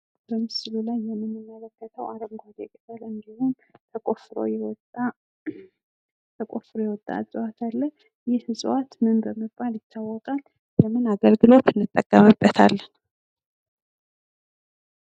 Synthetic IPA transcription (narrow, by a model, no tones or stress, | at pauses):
bəmːɨsɨlulajːɛmːɨnːɨmːələkːət̪ʰəwaɾəmɡʷaɡekʼəfəlɨnd̪ihun | t̪ʰəkʼofɾo̞̰jɛwɔt̪a | t̪ʰəkʼofɾojɛwɔt̪ʼːa̰ɨzʼɨwat̪ʰalːə | jɪhhɨsʼwat̪mɨnbəmːɨbaljɪt̪ʰːawːɔkʼal | ləmɨnaɡəlɡɨlo̞t̪ʰɨnːɨt̪ʼːəkʼːəmɨbːət̪ʰa̰lːən